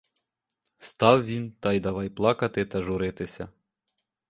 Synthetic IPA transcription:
st̪ɑwʋʲint̪ɑjd̪ɐʋɑjplˠɑkɐt̪ɪt̪ɐʒʊɾɪt̪ɪsʲɐ

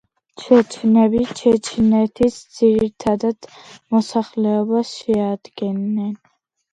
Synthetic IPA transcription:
t͡ʃʰɛt͡ʃʰnɛbit͡ʃʰɛt͡ʃʰnɛt̪ʰisd̪z̥iɾit̪ʰad̪ad̪̥mɔsaχlɛɔbasʃɛad̪ɡɛnːɛn

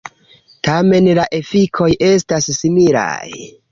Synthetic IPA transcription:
tame̞nlaʔe̞fikʰo̞jʔe̞stasːimila̰j

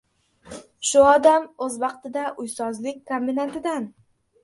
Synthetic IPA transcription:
ʃʊɒd̪amɵzvɑqt̪ɪd̪aʔʊjsɒzlɪk̚ʲkombinant̪ʰɪd̪an

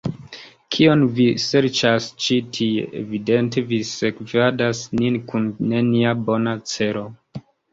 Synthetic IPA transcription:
kʰio̞nvise̞ɾt͡ʃast͡ʃitʰiḛvide̞nte̞visekvadasninkunːeniabo̞nat͡se̞ɾo̞

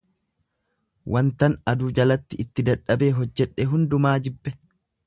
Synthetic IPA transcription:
wʔɐnt̪ɐnɐd̪ʊːd͡ʒɐlɐt̪ːɪɪt̪ːɪd̪ɐᶑːɐbe̞ːɦɔd͡ʒːɛᶑːɛɦʊnd̪ʊmaːd͡ʒɪbːɛ

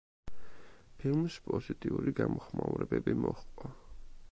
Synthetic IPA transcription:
pʰilˠmspʼɔzit̪ʼiuɾiɡamɔχmauɾɛbɛbimɔχqʼɔ

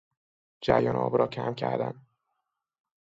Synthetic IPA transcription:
d͡ʒæɾjɒːnʔɒ̰ːbɾɒːcʰæmcʰæɾd̪æn

